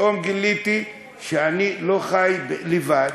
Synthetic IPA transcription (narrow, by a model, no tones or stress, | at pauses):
omɡilit̪i | ʃeanilo̞χajblivad